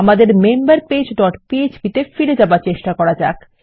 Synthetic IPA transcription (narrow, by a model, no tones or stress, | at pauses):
amad̪eɾmembaɾped͡ʑɖɔʈpied͡ʑbit̪efiɾed͡ʑabaɾt͡ɕeʃʈakɔɾad͡ʑak